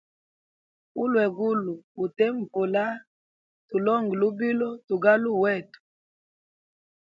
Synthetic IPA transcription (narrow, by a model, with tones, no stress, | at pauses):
u˦lwɛ˨ɡu˦lu˨u˨tɛ˦m̩˨po˨la˦ | tu˨lɔ˦ŋɡi˨lu˦bi˦lɔ˦tu˨ɡa˦lu˦˨wɛ˦˨tu̥˨